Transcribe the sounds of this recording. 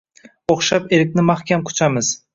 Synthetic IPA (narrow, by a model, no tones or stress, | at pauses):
oχʃapeɾɪkʲnɪmaχkʲʰamkʰʊ̥t͡ʃʰamɪz̥